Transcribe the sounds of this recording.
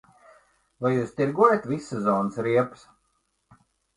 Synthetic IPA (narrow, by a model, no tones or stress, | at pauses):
vajuːst̪iɾɡuɔjat̪visːɨzɔːnəsɾiɛps